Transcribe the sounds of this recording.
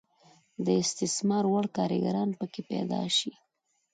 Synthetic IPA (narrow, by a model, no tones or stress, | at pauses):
d̪əɪst̪ɪsmɑɾwaɽkɑɾɪ̰ɡa̰ɾɑnpəkepɛ̰d̪ɑ̰ʃi